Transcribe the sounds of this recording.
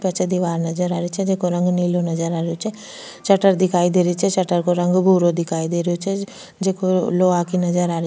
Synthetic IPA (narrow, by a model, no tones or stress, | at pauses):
pɐt͡ʃʰɛd̪iʋaːɾnɐzəɾaːɾit͡ʃʰɛd͡ʒeːkoɾɐ̃ŋɡniːlonɐzəɾaːɾeot͡ʃʰɛ | t͡ʃɐʈəɾd̪ɪkʰaːid̪eːɾit͡ʃʰɛt͡ʃəʈəɾkoɾɐ̃ŋɡbʱuːɾod̪ɪkʰaːid̪eːɾjot͡ʃʰɛ | d͡ʒeːkoloːakinɐd͡ʒəɾaːɾi